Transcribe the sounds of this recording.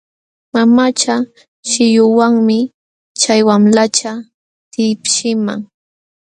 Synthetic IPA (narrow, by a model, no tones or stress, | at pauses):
mamat͡ʃa | ʃɪjʊwaŋmɪ | t͡ʃajwamlat͡ʃa | t̪ɪpʃɪma̰ŋ